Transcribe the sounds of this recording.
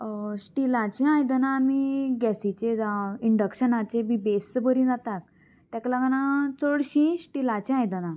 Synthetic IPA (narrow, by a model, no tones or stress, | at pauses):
ɕʈilãt͡ɕĩãjd̪ənaːmiɡɛsit͡ɕed͡zaiɳɖəkɕənat͡ɕebibesbəɾĩd͡zat̪ak | t̪ɛ̃klaɡanat͡səɽɕĩɕʈilat͡ɕĩãjd̪əna